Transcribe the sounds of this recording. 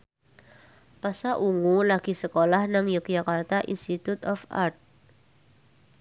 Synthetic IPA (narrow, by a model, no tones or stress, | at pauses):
pasaʔuŋulaɡ̥i̤səkolahnaŋjək̚d͡ʒakart̪aʔḭnst̪it̪ut̪ɔfa̰rt̪̚